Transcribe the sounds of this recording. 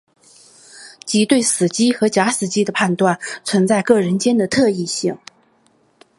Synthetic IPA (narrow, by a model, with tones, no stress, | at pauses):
t͡ɕi˧˥t̪we˥˩ɪsɹ̩˨˩t͡ɕi˥xɤ˧˥t͡ɕja˧˥sɹ̩˨˩t͡ɕi˥d̪ə˨pʰa˥˧nt̪wa˥˩nt͡sʰwə˧˥nt͡sa˥˧ɪkɤ˥˩ɻə˧˥nt͡ɕjɛ˥nd̪ə˨t̪ʰɤ˥˧i˥˧ɕi˥˩ŋ